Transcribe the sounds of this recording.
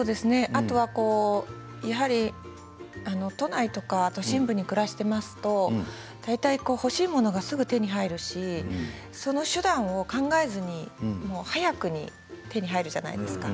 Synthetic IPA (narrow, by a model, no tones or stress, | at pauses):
soːd̪e̞sɨne̞ʔat̪o̞β̞ako̞ː | jaɦaɾʲi | ano̞t̪o̞nait̪o̞kaːt̪o̞ɕĩmbɯ̟ɲ̟ikɯ̟ɾaɕi̥t̪e̞masɨ̥t̪o̞ | d̪̥ait̪aiko̞ːho̞ɕiːmo̞no̞ɡasɨɡɯ̟t̪e̞ɲ̟iɦaiɾɯ̟ɕi | so̞no̞ɕɨd̪ãɰ̃o̞kãŋɡae̞zɨɲ̟imo̞ːhajakɯ̟ɲ̟ḭ | t̪e̞ɲ̟iɦaiɾɯ̟ʑa̰na̰id̪e̞sɨ̥ka